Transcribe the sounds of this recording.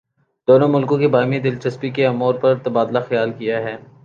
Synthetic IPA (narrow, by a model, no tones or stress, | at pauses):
d̪oːnõmʊlkõkebaːmid̪ɪlt͡ʃɐspikeɐmuːɾpɐɾt̪ɐbaːd̪laxɐjaːlkijaɦɛː